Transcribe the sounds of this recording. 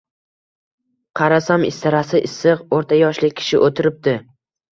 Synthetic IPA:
qʰɑɾasamɪ̰st̪ɪɾasɪʔɪsːɨqoɾt̪ʰajɒʃlɪk̚ʲʰːɪ̥ʃɪʔot̪ʰɪɾɪp̚d̪ɪ

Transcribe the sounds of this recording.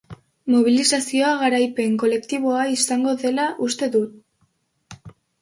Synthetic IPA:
mo̞β̞ilisasio̞aɣaɾajpe̞ŋko̞le̞kt̪iβ̞o̞aisaŋɡo̞ðe̞laʔust̪e̞ðut̪̚

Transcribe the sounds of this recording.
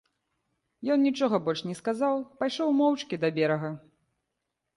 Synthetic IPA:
jɔnnʲit͡ʂɔɣɐbɔlʲʂnʲɛskazawpajʂɔwmɔwt͡ʂkʲid̪ɐbʲɛɾɐɣɐ

